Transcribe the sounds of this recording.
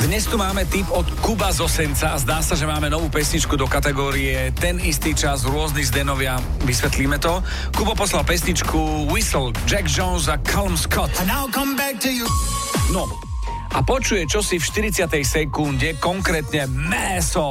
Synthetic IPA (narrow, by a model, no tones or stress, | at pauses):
d̪ɲɛst̪umaːmɛt̪ipɔt̪kubazɔsɛnt͡sazd̪aːsaʒɛmaːmɛnɔʋuːpɛsɲit͡ʃkud̪ɔkat̪ɛɡɔːɾiɛt̪ɛnist̪iːt͡ʃazɾʊɔzniɣzd̪ɛnɔʋɪa | ʋisʋɛt̪liːmɛt̪ɔ | kubapɔslalpɛsɲit͡ʃkuwisl̩d͡ʒɛɡd͡ʒɔʊnzakʰɔlmskɔt̪nːaʊkʌ̃mbæk̚t̪ujunɔ | ʔapɔt͡ʃujɛt͡ʃɔsifʃt̪iɾit͡sɪat̪ɛjsɛkunɟɛkɔŋkɾɛːt̪ɲɛmɛsɔ